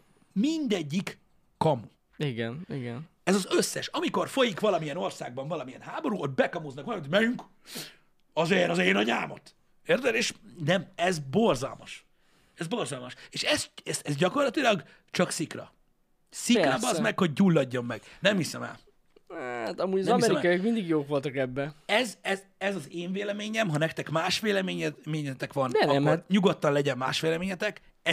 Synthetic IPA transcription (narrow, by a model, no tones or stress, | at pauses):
mind̪ɛɟːikː | ɒmu | iɡɛniɡɛn | ɛzɒzøsːɛʃɒmiko̞rfo̞jikʋɒlɒmijɛno̞rsa̰ːɡ̚bɒɱvɒlɒmijɛnhaːbo̞ɾuot̪̚bɛkɒmoznɒkʋɒlɒmit̪omɛjyŋk | ɒzɛnɒzɛjnɒɲaːmo̰t̪ | ert̪ɛleːʃnɛmɛzbo̞rzɒ̰lmɒʃ | ɛzbo̞rzɒlmɒʃeːʃɛsɛsɛzɟɒko̞rlɒt̪ilɒɡ | t͡ʃɒksikrɒ̰ | sikɾɒbɒzmɛkho̞ɟ̚ːulːɒɟːo̞mːɛɡ̥nɛmhisɛmɛ̰l | hat̪ɒmuːɟɒmɔisɛɾimɛkɔjikmind̪iɡjoːkʋo̞lt̪ɒkɛbːɛɛzɛzɛzɒzeːɱveːlɛmeːɲɛmɦɒnɛk̚t̪ɛkmaːʃʋeːlɛmeːɲɛmeːɲɛt̪ɛkʋɒnnɲuɡot̪ːɒnlɛɟɛmːa̰ːʃʋeːlɛmeːɲɛt̪ɛk | ɛ